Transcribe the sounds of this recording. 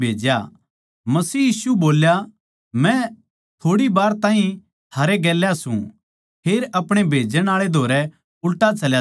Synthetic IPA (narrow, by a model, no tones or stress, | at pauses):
bʱeːd͡ʒja | mɐsiːjiːsuboːlja | mɛ̃ | t̪ʰoːɽibaːɾt̪ãːɦĩ | t̪ʰaːɾeɡɛːljasũ | pʰeːɾɐpɽ̃ebʱeːd͡ʒəɽ̃aːɭed̪ʱoːɾɛ | ʊlʈat͡ʃɐlja